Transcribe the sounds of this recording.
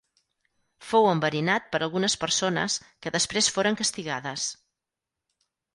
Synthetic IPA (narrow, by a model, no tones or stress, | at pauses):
fowəmbəɾinat̪̚pəɾʔəlˠɣunəspəɾsonə̰skəðəspɾesfoɾəŋkəst̪iɣaðəs